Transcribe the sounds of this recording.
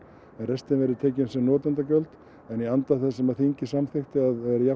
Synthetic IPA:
ɛnrɛst̪ɪnvɛɾɪɾt̪ʰɛːcɪnsɛmnɔːt̪ant̪acœlt̪ | ɛniant̪aθɛsːɛmaðθiɲcɪsamθext̪ɪaðɛɾja

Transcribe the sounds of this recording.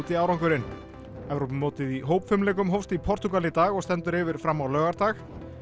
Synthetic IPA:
t̪ɪawɾawŋkʏɾɪn | ɛvɾowpɪmːoːt̪ɪðiɦoːwpfʏmlɛːk̬ʏmɦowfst̪ipʰɔɾ̥t̪ʏkalɪt̪aːɣɔɣst̪ɛnt̪ʏɾɪːvɪɾ̥fɾamːawlœːɣaɾt̪aːx

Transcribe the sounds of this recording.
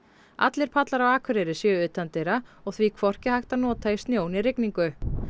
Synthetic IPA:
a̰t̪lɪɾ̥pʰat̪laɾawaːkʰʏɾɛɾɪsjœːʏːt̪ant̪ejɾaɔɣθvikʰvɔr̥cɪhajht̪anɔːt̪aist̪njoːwnirɪkniŋkʏ

